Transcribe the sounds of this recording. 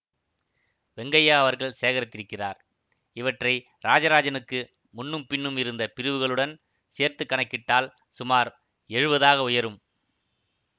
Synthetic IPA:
ʋɛŋɡɐjaːɐʋɐɾɣɐɭseːɣɐɾɐt̪ːɪɾɯkːɪraːɾ | ɪʋɐʈrɐɪ | ɾaːd͡ʒɐɾaːd͡ʒɐnɯkːɯ | mʊnːɯmpɪɳːɯmɪɾɯnd̪ɐpɪɾɯʋɯɣɐɭɯɽɐn | seːɾt̪ɯkːɐɳɐkːɪʈːaːl | sʊmaːɾ | ɛɻɯʋɐðaːɣɐʊjɐɾɯm

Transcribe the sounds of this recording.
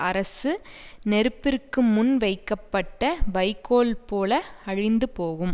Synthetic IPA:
ɐɾɐsɯnɛɾɯpːɪrkːɯmʊnʋɐɪkːɐpːɐʈːɐʋɐɪkːoːlpoːlɐɐɻɪnd̪ɯpoːɣɯm

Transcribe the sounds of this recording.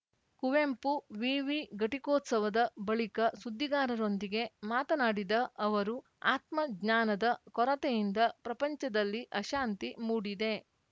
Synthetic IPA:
kuʋempuʋiːʋiɡɐʈikoːt̪sɐʋɐd̪ɐbɐɭikɐsud̪ːiɡaːɾɐɾo̞nd̪iɡe̞maːt̪ɐnaːɽid̪ɐʔɐʋɐɾu | aːt̪mɐɡnaːnɐd̪ɐkɔɾɐt̪ejind̪ɐpɾɐpɐɲt͡ʃɐd̪ɐlːiʔɐʃaːnt̪imuːɽid̪e̞

